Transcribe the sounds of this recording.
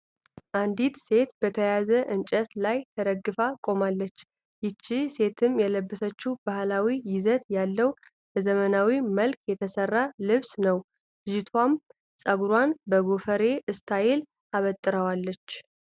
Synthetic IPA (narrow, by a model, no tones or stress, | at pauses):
ʔand̪it̪se̞t̪bət̪ʰəjazəʔɨnt͡ʃʼəslajt̪ʰəd̪əɡːɨfakʼo̞malːət͡ʃː | jɪt͡ʃːise̞t̪ʰɨmjɛləbːəsət͡ʃːubahlawijɪzət̪jalːəw | bəzəmənawiməlkjɛt̪ʰəsərːalɨβsnəw | ʒɪt̪ʰwam | sʼəɡuɾwanbəɡofəɾe̞ʔɨst̪ʰajel | ʔaβət̪ʼːɨɾəwalːət͡ʃː